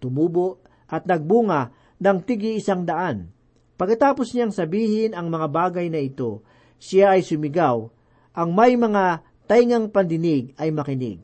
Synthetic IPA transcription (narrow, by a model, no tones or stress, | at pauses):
t̪ʊmuːboʔ | ʔɐt̪̚nɐɡ̚buːŋɐ | nɐŋt̪ɪɡɪɪsaŋd̪ɐʔan | pɐɡkːɐt̪aːposɲaŋsɐbiːhɪnɐŋmɐŋabaːɡɐjnɐɪt̪o̞ | sɪaʔːjsʊmɪɡaw | ʔɐŋmɐjmɐŋa | t̪ajŋɐŋpɐnd̪ɪnɪɡɐjmɐkɪnɪ̰ɡ̚